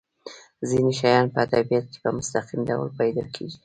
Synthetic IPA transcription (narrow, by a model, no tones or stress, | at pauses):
zineʃajɑnpəad̪abijat̪̚ke̥pəmʊst̪aqimda̰wlpajd̪ɑkʰeɡi